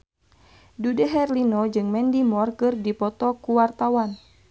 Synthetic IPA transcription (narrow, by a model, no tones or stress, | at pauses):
dudɛɦɛrlinɔd͡ʒɨŋmɛndimɔrkɨrdipɔt̪ɔkuwart̪awan